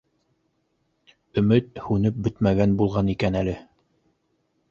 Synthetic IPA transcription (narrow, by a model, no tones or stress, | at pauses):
ɵ̆mɘt̪̚hʉnɘp̚bɘt̪mæɡænbulˠʁɑnikænælɘ